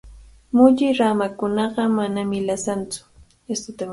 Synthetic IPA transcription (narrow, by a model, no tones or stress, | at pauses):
mʊʎɪɾamakʊnɑɢɑmanamɪlasant͡sʊ̥ | est̪ʊt̪am